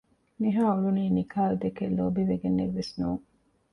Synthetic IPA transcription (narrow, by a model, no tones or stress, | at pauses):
niɦaːuluniːnikʰaːlud̪ekelːoːbiʋeɡenːeʋʋesnuːŋ